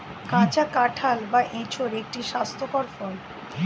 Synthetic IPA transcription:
kãt͡ɕakaʈʰalbaʔẽt͡ɕʰoɾek̚ʈiʃast̪ʰokɔɾfɔl

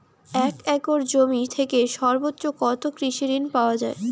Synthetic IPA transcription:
ɛkɛkoɾd͡ʑomit̪ʰekeʃɔɾbot̪ːʃokɔt̪okɾiʃiɾinpaoad͡ʑae

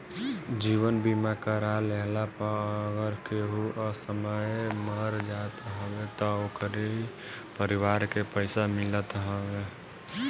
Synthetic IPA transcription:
d͡ʒiwənbimakəɾaleɦlapəɾəɡəɾkeɦuʔəsəməjməɾd͡ʒat̪ɦəwet̪ɔokɾi | pəɾiwaːɾkepəɪsamɪlət̪ɦəwe

